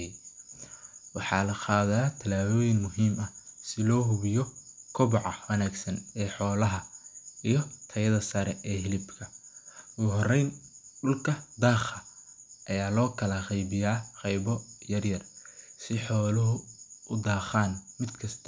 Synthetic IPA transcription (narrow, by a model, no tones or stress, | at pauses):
wɑħɑːlɐqɑːðaːt̪ʰɐlaːðɔːjɪŋmʊɦiːmɐsɪlɔːɦʊβɪjɔkʰɔβʊʕɑwɐnaːɡsɐnɛːħɔːlɐɦɐijɞt̪ʰɐjɐðɐsɐɾɛʔɛːhɪlɪbkʰɐʊɣɦɔrɛjnɖʊlkʰɐd̪aːχɐʔɐjaːlɔːkʰɐlɐʁɛjβɪjaːqɛjβɔjɐrjɐrsɪħɔːlɐɦʊʔʊd̪aːχaːnmɪd̪kʰɐst̪ʰ